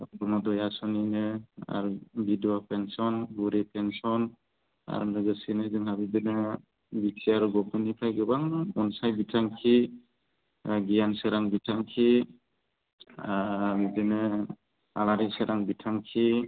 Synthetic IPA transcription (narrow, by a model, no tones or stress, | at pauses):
bɔnɔdɔjasɔninɯa̰ɾbidiapensɔnɡuɾepʰensɔn | a̰ɾnɯɡɯsinɯzɯŋhabibɯnɯ | bitʰiaɾɡɔpʰɯnipʰajɡɯbaŋɔnsajbitʰaŋkʰi | ɡijansɯɾaŋbitʰaŋkʰi | abibenɯ | alaɾisɯɾʔaŋbitʰaŋkʰi